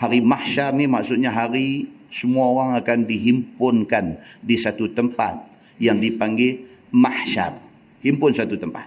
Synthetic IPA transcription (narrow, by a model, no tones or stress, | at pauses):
haɾimahʃarnimaksʊt̪̚ɲaɦaɾi | səmuaoɾaŋakandiɦimpʊnkandisat̪ut̪əmpa̰t̪̚ | jaŋdipaŋɡemahʃa̰r | himpʊnsat̪ut̪əmpa̰t̪̚